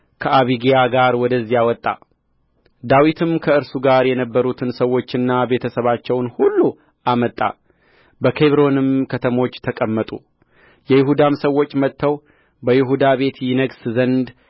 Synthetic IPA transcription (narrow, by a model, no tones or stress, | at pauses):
kʰəaβiɡijaɡaɾwɔd̪əzːijawɔt̪ʼːa̰ | d̪awit̪ʰɨmkʰəɨɾsuɡaɾjɛnəbːəɾut̪ʰɨnsəwːo̞t͡ʃːɪnːabe̞t̪ʰəsəβat͡ʃːɛwnhulːu | ʔamət̪ʼːa̰ | bəkʰe̞βɾo̞nɨmkʰət̪ʰəmo̞t͡ʃːt̪ʰəkʼəmːət̪ʼu | jɛjɪɦud̪amsəwːo̞t͡ʃːmət̪ːəw | bəjɪɦud̪aβe̞t̪jɪnəɡszənd̪